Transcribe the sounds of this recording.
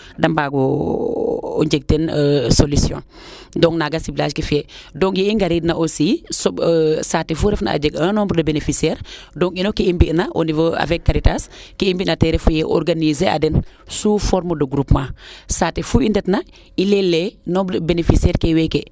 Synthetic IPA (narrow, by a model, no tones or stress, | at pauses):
dɐmbaɡo | o̰ɲd͡ʒeɡ̚tensolisjɔ̰̃n | dɔŋnaɡasiblaːskifedoŋiiŋɡaɾidnaʔosisɔsatefuɾɛfna̰a̰d͡ʒeɡənɔːmbdɐbenefisiɛɾdɔŋinokiimbinaʔo̰nivoa̰vɛkːaɾitaskiimbinateɾefujɛʔɔ̰ɾɡanizea̰dɛnsufɔɾməduɡɾupmãsaːtefuindɛtna | ilelenɔːmbbenefisɛːɾkeweke